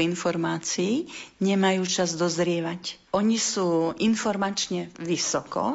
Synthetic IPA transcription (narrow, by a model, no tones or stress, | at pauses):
infɔɾmaːt͡siiɲɛmajuːt͡ʃazd̪ɔzɾɪɛʋacʔɔɲisuːinfɔɾmat͡ʃɲɛʋisɔkɔ̰